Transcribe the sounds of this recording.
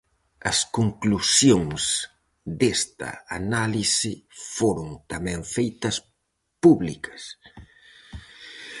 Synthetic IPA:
ɐskoŋklusjoŋs | d̪est̪ɐ̰a̰nalisɪfoɾoŋt̪amɛ̃ŋfejt̪ɐs | puβlikɐ̥s

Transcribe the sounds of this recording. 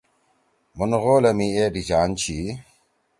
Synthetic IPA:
munɣoːlɐmiedid͡ʑaːnt͡ɕi

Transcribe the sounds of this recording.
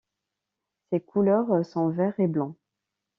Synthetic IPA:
sekʰulœʁsɔ̃vɛʁeblɑ̃

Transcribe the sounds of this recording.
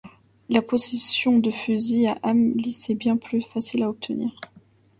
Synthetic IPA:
lapɔsesjɔ̃d̪əfyziaʔamlisɛbjɛ̃plyfasilaɔp̚t̪ʰəniːʁ

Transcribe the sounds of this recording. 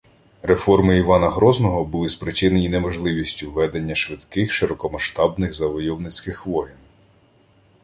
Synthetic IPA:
ɾe̞fɔrmɪiʋɑnɐɦɾɔznɔɦɔbʊlˠɪspɾɪt͡ʃɪnejinemɔʒlˠɪʋʲisʲtʲʊʋɛd̪enʲːɐʃʋɪd̪kɪxʃɪɾɔkɔmɐʃt̪ɑbnɪɣzɐʋɔjɔwnɪt͡sʲkɪxʋɔjɪn

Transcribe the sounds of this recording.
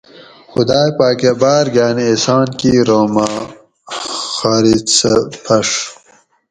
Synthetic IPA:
xʊd̪aːjpaːkebaːɾɡaːniisaːnkiɾoːma | xaːɾispʰɐʂ

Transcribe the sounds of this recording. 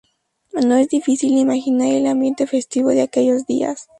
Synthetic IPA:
no̞e̞zðifisilimaxinaɾelambje̞nt̪e̞fe̞st̪iβo̞ðeake̞ʝo̞zðia̰s

